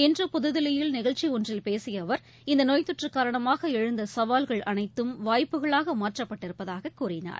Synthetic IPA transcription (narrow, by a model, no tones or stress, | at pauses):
ɛndrɯpʊðɯðɪlɐjɪlnɪɣɐɭt͡ʃːiɔndrɪlpeːsɪjɐʋɐɾ | ɪnd̪ɐnoːjt̪ːʊʈrɯkːaːɾɐɳɐmaːɣɐɛɻɯnd̪ɐsɐʋaːlɣɐɭʔɐnɐɪt̪ːɯmʋaːjpːɯɣɐɭaːɣɐmaːʈrɐpːɐʈːɪɾɯpːɐðaːɣɐkːuːrɪna̰ːɾ